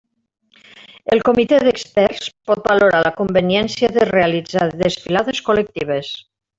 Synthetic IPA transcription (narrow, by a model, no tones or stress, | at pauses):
elˠkomit̪eðekspɛɾspɔt̪̚baloɾalakombenjɛnsjaðerealid͡zaðesfilaðeskolek̚t̪iβ̞es